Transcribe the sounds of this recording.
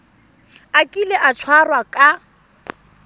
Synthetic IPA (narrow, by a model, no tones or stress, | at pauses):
akʼilɛʔat͡ʃʰwarwakʼa